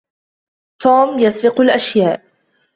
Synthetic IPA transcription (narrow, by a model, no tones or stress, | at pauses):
t̪uːmjasɾɪqʊlʔaʃjaːʔ